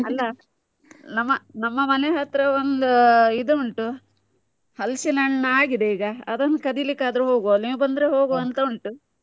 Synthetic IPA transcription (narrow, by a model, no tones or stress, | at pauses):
ɐlːɐ | nɐmːɐnɐmːɐmɐneɦɐt̪ɾɐond̪uid̪uuɳʈu | hɐlsinɐɳːɐaːɡid̪eiːɡɐɐd̪ɐnːɐkɐd̪ilikːaːd̪ɐɾuɦoːɡolibɐnd̪ɐɾeɦo̞ːɡoɐnt̪ɐuɳʈu